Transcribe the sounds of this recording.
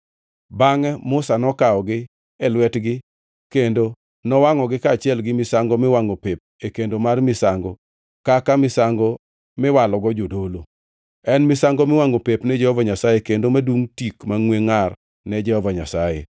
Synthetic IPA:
baŋɛmʊsanɔkaɔɡɪ | ɛlwɛtɡɪ | kendo | nɔwaŋɔɡɪkaːt͡ʃɪɛlɡɪmɪsaŋɡɔmɪwaŋopep̚ekendomarmɪsaŋɡɔ | kakamɪsaŋɡɔ | mɪwalɔɡɔd͡ʒodolo | ɛnmɪsaŋɡɔmɪwaŋopepnɛd͡ʒɛhɔvaɲasajekendomaduŋtikmaŋweŋar | nɛd͡ʒɛhɔvaɲa̰sajḛ

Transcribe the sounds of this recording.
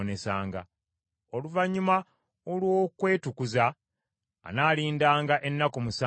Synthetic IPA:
ne̞sa̰ːŋɡa̰ | o̞luvaɲːuma | olwoːkwe̞ːtukuza̰ː | naːliːndaːŋɡaʔe̞nːakomusa

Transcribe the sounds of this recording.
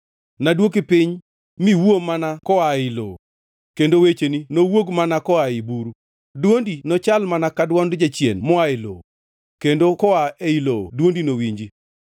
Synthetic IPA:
nadwok̬ipɪɲ | miwomanakɔailo̰ | kendowet͡ʃeninowoɡmanakɔaɪbuɾu | dwondinɔt͡ʃalmanakadwɔndd͡ʒat͡ʃjḛnmɔaɪlo̰ | kendokɔaeilo̰dwondinowiɲd͡ʒi

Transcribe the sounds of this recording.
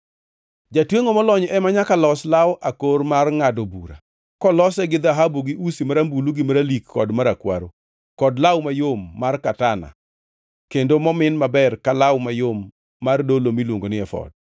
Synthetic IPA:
d͡ʒatweŋomɔlɔɲɔʔɛmaɲakalɔslawʔakormarŋadobṵɾa̰ | kɔlɔsɛɡɪd̪aɦabuɡɪʔusimaɾambuluɡɪmaɾalikːɔdmaɾakwa̰ɾo | kɔdlawmajomːarkatana̰ | kendomɔmɪnmabɛrkalawmajomː | ardolomilwoŋɡonɪɛfɔ̰d̚

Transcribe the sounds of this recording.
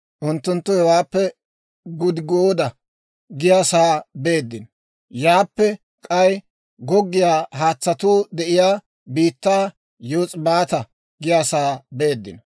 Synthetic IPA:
ʔʊnt̪ːʊnt̪ːʊhɛwaːpːɛ | ɡʊd̪ɪɡoːd̪ɐ | ɡɪjaːsaːbe̞ːd̪ːɪn | jaːpːɛ | kʼɐj | ɡɔɡːɪjaːhaːt͡sːɐt̪uːd̪ɛʔɪjaː | biːt̪ːaː | joːt͡sʼbaːt̪ɐ | ɡɪjaːsaːbe̞ːd̪ːɪ̰n

